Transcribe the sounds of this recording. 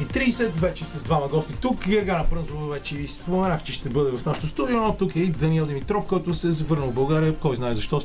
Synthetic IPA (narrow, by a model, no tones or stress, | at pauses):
it̪ɾiːsɛt̪vɛt͡ʃɛsɐzd̪vamɐɡɔst̪it̪ukiɐɡanɐpɾɤnzʊvəvɛt͡ʃɛvispomɛnaxt͡ʃɛʃt̪ɛbɤd̪ɛvɐfnaʃɛ̥t̪ʊst̪ud̪ionɔt̪ukɛid̪ɐniɛlˠd̪ɛmit̪ɾɔfkɔjt̪ʊsɛzɐvɤɾnəlˠbɐlˠɡaɾiəkɔjznaɛzɐʃt̪ɔ